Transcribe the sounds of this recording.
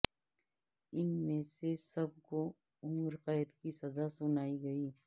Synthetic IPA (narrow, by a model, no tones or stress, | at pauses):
ɪnmẽsesɐb̚ko | ʊmɾqɛːɪd̪kisɐzasʊnaːiɡɐiː